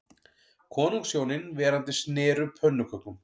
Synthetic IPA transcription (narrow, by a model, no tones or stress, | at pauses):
kʰɔːnuŋksjoːwnɪnvɛːɾant̪ɪsnɛːɾʏpʰœnːʏkʰœk̪ʏm